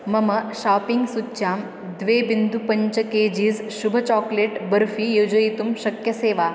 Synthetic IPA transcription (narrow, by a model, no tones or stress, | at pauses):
mɐmɐʃaːpiŋɡsutːɕaːm | d̪ʋeːbind̪upɐɲt͡ʃəkeːd͡ʑiːzʃubʱɐt͡ʃɔːkleːʈbɐɾfiːjod͡ʒɐjt̪umɕɐkjɐseːʋaː